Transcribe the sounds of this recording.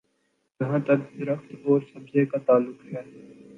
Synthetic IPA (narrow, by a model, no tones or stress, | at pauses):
jɐɦãːt̪ɐɾd̪ʊɾəxt̪ɔːɾsɐbzẽkat̪aːlːʊkɦɛː